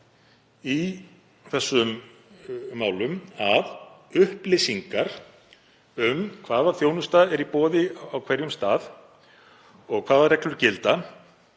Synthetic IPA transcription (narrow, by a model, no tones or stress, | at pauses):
i | θɛsːʏmː | aːwlʏmavʏhplɪsiŋkaɾ̥ | ʏmkʰv̥aːðaθjownʏst̪aðɛɾipɔːðɪawkʰv̥ɛɾjʏmst̪aːð | ɔɣkʰv̥aːðarɛklʏɾ̥cɪlt̪a